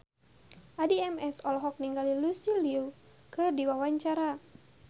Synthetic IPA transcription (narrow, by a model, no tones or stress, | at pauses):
ʔadiɛmɛsɔlɔɦɔk̚niŋɡalilusiliu | kɨrdiwawaɲt͡ʃaɾa